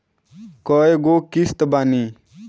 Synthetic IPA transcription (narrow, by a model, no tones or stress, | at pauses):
kɔjeɡokist̪bani